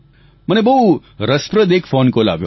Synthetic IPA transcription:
mənebəɦu | ɾəspɾəd̪ekfonkola̰ʋjo̰

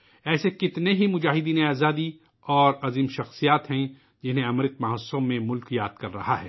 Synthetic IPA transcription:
ɛːsekɪt̪neɦimʊd͡ʒaːɦɪd̪iːneaːzaːd̪i | ɔːɾɐziːmʃɐxsijaːt̪ɦɛ̃ | d͡ʒɪnɦẽɐmɾɪt̪̚mɐɦəsõmẽmʊlkjaːd̪̚kɐɾːɐɦaɦɛ̰ː

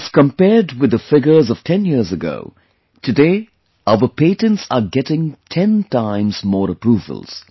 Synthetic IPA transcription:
kə̃mpɛdwɪd̪əfɪɡə˞zɔv̥tʰɛ̃njiɹzəɡo̰ʊ | tʰɨdeː | aʊəpʰeɪtə̃ntsəɡɛtɪ̃ŋtʰɛ̃ntãɪ̃mzmɔːɹəpɾuːvə̰lˠz̥

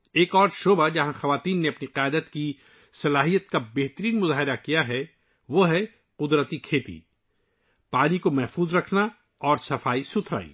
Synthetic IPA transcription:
eːkɔːɾʃoːbad͡ʒɐɦãxɐʋaːt̪iːnːeɐpniqaːd̪ət̪ki | sɐlaːɦijət̪̚kabeɦt̪əɾiːnmʊzaːɦɪɾakijaɦɛ | ʋoɦɛ | qʊd̪ɾət̪ikʰeːt̪ḭ | paːnikomɛɦfuːzɾɐkʰna | ɔːɾsɐfaːisʊt̪ʰɾa̰ːḭː

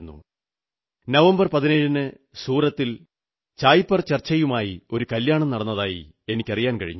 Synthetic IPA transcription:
nːṵ | nɐʋɐmbɐrpɐðineɻunɨ | suːrɐt̪ːil | t͡ɕaːjpːɐrt͡ɕɐrt͡ɕːɐjumaːjio̞ɾukɐljaːɳɐmnɐɽɐnːɐðaːjḭ | e̞nikʲːɐrijaːnkɐɻḭɲː

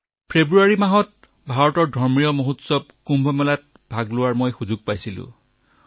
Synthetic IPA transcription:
pʰebɹuaɹimaɦɔt̚ | bʱaɹɔtɔɹdʱɔɹmijɔmoɦutsɔb̚kumbʱɔmɔlat̚ | bʱaɡlʊwaɹmojxuzuɡ̚pajsilʊ̰̃

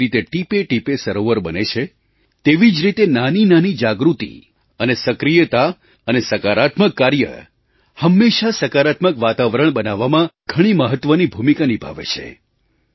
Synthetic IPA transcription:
it̪eʈipeʈipesəɾoʋəɾbənet͡ʃʰe | t̪eʋid͡ʒɾit̪enaninanid͡ʒaɡɾut̪ḭ | ənesəkɾijət̪a | ənesəkaɾat̪məkːaɾjə̰ | həmːeʃasəkaɾat̪məkʋat̪aʋəɾəɳ̃bənaʋːamãɡʱəɽ̃iməɦət̪ʋənibʱumikanibʱa̰ʋḛt͡ʃʰḛ

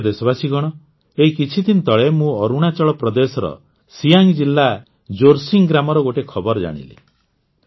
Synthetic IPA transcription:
d̪esɔbasiɡɔɽ̃ɔ | eɦikit͡ʃʰid̪int̪ɔɭemũɔɾuɽ̃at͡ʃɔɭɔpɾɔd̪esɔɾɔ̰ | sijaŋd͡ʒilːa | d͡ʒoɾsiŋɡɾamɔɾɔɡoʈekʰɔbɔɾd͡ʒa̰ɽ̃ḭlḭ

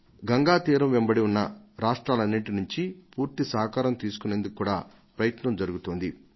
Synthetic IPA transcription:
ɡɐŋɡaːt̪iːɾɐmʋembɐɽiunːɐɾaːʂʈɾaːlɐnːiɳʈinuɲt͡ʃipuːɾt̪isaːɦkaːɾɐmt̪iːsu̥kuneːnd̪ukukːuːɽaː | pɾɐjɐt̪nɐmd͡ʒɐɾuɡut̪oːnd̪i

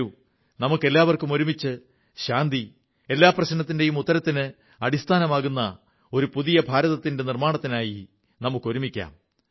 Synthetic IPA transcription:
u | nɐmukːe̞lːaːʋɐrkumo̞ɾumit͡ɕːɨ | ɕaːnd̪i | e̞lːaːprɐɕnɐt̪ːindejumut̪ːɐɾɐt̪ːinɨ | ɐɽist̪ʰaːnɐmaːɣunːɐ | o̞ɾupuðijɐbʱaːɾɐðɐt̪ːinde̞nirmaːɳɐt̪ːinaːji | nɐmukːo̞ɾumikʲːa̰ːm

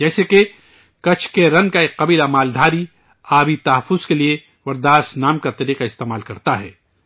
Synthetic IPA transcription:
d͡ʒɛːseke | kɐt͡ʃʰkeɾɐ̃ŋkaeɐbilamaːld̪ʱaːɾi | aːbit̪ɐɦɐfːʊz̥kelie | ʋɐɾd̪aːsnaːmkat̪ɐɾiːqaɪst̪eːmaːlkɐɾt̪aɦɛ̰ː

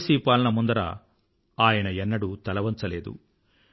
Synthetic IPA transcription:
siːpaːlɐnɐmund̪ɐɾa̰ | aːjɐnɐɛnːɐɽut̪ɐlɐʋɐnt͡ʃɐleːd̪ṵ

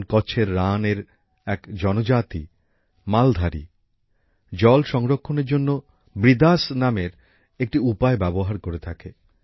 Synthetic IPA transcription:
nkɔt͡ɕʰeɾːaneɾ | ɛkd͡ʑɔnod͡ʑat̪i | mald̪ʱaɾḭ | d͡ʑɔlʃɔŋɾokʰːoneɾd͡ʑonːo | bɾid̪asnameɾ | ek̚ʈiupaebɛboɦaɾkoɾet̪ʰake

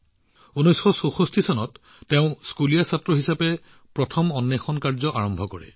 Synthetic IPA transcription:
unɔjsxɔsoxostʰisɔnɔtː | eʊ̃skulijasatːɹɔɦisapɛ | pɹɔtʰɔmɔnːexɔnkaɹzɔʔaɹɔmbʱɔkɔɹɛ̰

